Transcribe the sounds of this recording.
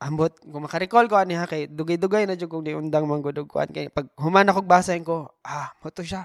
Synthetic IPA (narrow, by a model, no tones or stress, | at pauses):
ʔɐmbot̪̚kʊŋmɐkɐɾɪkolkoʔɐnɪɦakɐjd̪ʊɡajd̪ʊɡajnɐd͡ʒokʊŋd̪iʔʊnd̪aŋmɐŋɡʊd̪ʊɡ̚kʊ̰ʔa̰nkɐjpɐɡ̚hʊmanɐkoɡ̚baːsaɪŋkoʔamʊt̪ʊʃa